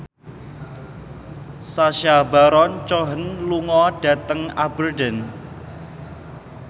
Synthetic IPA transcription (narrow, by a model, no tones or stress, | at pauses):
saʃaba̤ɾɔnt͡ʃɔɦənluŋɔɖ̥ä̤t̪əŋabərɖən